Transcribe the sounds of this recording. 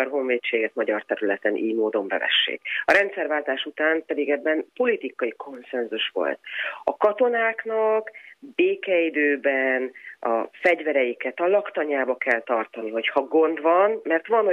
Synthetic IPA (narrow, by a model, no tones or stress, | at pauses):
ɒrɦo̞ɱveːt͡ʃːeːɡɛt̪mɒɟɒrt̪ɛɾylɛt̪ɛnʔḭːmoːd̪o̞mbɛ̰vɛ̰ʃːḛːkɒɾɛnt̪sɛrvaːlt̪aːʃut̪aːmpɛd̪iɡɛbːɛnpo̞lit̪ikɒjikʰo̞nsɛnzuʃʋo̞̰lt̪ɒ̰kɒt̪o̞naːknɒkbeːkɛid̪øːbɛnʔɒfɛɟvɛɾɛjikɛt̪ɒlɒkt̪ɒɲaːbɒkɛlt̪ɒrt̪ɒniɦo̞chɒɡo̞nd̪vɒnmɛrt̪ʋɒn